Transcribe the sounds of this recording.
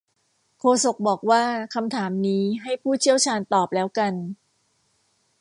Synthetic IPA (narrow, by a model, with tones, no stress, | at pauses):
kʰoː˧so˨˩k̚bɔː˨˩k̚waː˥˩kʰa˧mt̪ʰaː˩˦mniː˦˥ɦa˥˩jpʰuː˥˩t͡ɕʰi˥˩əwt͡ɕʰaː˧nt̪ɔː˨˩p̚lɛː˦˥wka˧n